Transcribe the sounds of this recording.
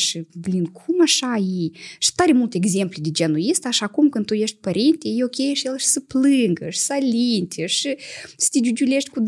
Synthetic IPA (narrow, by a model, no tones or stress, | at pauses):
ʃɨblʲinkʰumaʃajiʃi̥t̪aɾemult̪eeɡzʲemplʲed̪ed͡ʒenuist̪aʃakumkɨnd̪t̪ujeʃt̪ʲpəɾʲint̪ʲejeokʲejeʃjelˠʃi̥səplɨŋɡəʃi̥salʲint̪ʲeʃɨsə̥t̪ʲed͡ʒ̪ʲud͡ʒulʲeʃt̪ʲkud̪